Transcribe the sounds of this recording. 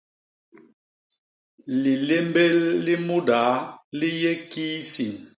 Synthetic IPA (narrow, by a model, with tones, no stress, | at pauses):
li˨le˦mbe˦lːi˦mu˦daː˨˦li˦je˦ki˦si˨n